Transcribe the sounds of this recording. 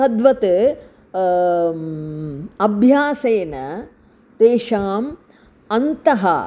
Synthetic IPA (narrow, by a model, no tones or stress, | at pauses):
ɐd̪ʋɐt̪ɨ | ɐbʱjaːseːnɐ | t̪eːʃaːm | ɐnt̪ɐɦɐ̰